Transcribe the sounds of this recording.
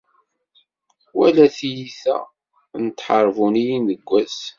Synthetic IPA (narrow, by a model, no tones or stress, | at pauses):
wælæθijiθæ̰ | nət̪ːħəɾˤvunijinəɡʷːæs